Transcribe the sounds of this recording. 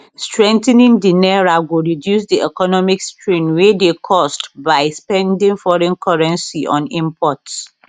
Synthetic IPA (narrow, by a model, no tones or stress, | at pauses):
stɹɛ̃ntɛ̃nĩŋdinɛɹaɡuɹidjus̬diʔɛkɔnɔmikstʰɹĩnwedekʰɔstbaɪspɛ̃ndĩŋfɔɹɛ̃nkʰɔɹɛ̃nsiʔɔ̰̃nĩmpʰɔts